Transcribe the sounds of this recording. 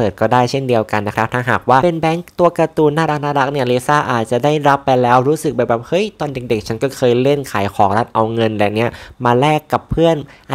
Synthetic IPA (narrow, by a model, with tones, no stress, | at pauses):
pɤː˨˩t̪̚kɔː˥˩daː˥˩jt͡ɕʰe˥˩ndi˧əwka˧nːa˦˥kʰɾa˦˥p̚t̪ʰaː˥˩ɦaː˨˩k̚waː˥˩e˧nbɛː˦˥ŋt̪u˧ɐka˧t̪uː˧˩nːaː˥˩ɾa˦˥k̚naː˥˩ɾa˦˥k̚ni˥˩ɐleː˧˥saː˥˩ʔaː˨˩t̪̚t͡ɕa˨˩daː˥˩jɾa˦˥pːa˧jlɛː˦˥wɾuː˦˥sɯ˨k̚baː˧˩baː˨˩p̚hɤ˦˥jt̪ɔː˧nde˨˩k̚de˨˩k̚t͡ɕʰa˦˥nkɔː˥˩kʰɤː˧jle˥˩nkʰaː˨˩˦jkʰɔː˩˦ŋla˦˥t̪̚ʔa˧wŋɤ˧nlɛː˨˩ni˦˥ɐmaː˧lɛː˥˩kːa˨˩pʰːɯ˥˩ənʔ